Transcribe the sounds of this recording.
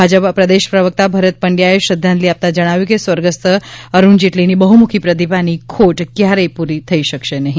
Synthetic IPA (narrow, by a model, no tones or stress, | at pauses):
bʱad͡ʒəpapɾəd̪eʃpɾəʋək̚t̪abʱəɾət̪̚pəɳɖjaeʃɾəd̪ʱjãnt̪liap̚t̪ad͡ʒəɽ̃aʋjukesʋəɾɡəst̪əəɾund͡ʒeʈlinibəɦumukʰipɾəd̪ipanikʰoʈkjaɾəjpuɾit̪ʰəiʃəkʃenəɦĩ